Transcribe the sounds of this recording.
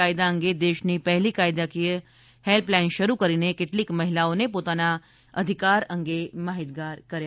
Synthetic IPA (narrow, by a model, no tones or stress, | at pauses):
ajd̪aə̃ŋɡed̪eːʃnipɛɦlikaːjd̪aki | helplɛ̃nʃəɾukəɾinekɪʈlikmɐɦɪlaõnepoːt̪ana | əd̪ʱikaːɾə̃ŋɡemaːɦit̪ɡaːɾkəɾja